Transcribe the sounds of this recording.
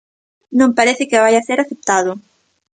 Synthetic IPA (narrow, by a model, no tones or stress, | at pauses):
nõŋpaɾeθɪkɪβajaseɾaθep̚t̪aðʊ